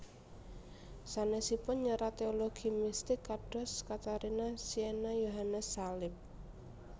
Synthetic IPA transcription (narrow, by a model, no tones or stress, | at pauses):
sanesipʊnɲəɾat̪eoloɡ̥imist̪ɪkːaɖ̥ɔ̤skat̪aɾinasienajoɦanəsːalɪp̚